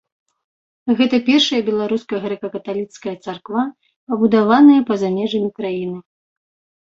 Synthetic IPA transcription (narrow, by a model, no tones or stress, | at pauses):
ɣɛt̪ɐpʲɛrʂɐjɐbʲɛlˠaɾuskɐɣɾɛkɐkɐt̪alʲit̪skɐjɐt̪sarkva | pɐbud̪avanɐjɐpɐzamʲɛʐɐmʲikɾajinɨ